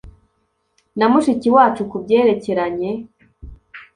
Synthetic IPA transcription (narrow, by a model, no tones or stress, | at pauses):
namuʃiciwaːt͡ʃukubɟe̞ːɾe̞ce̞ɾaɲe̞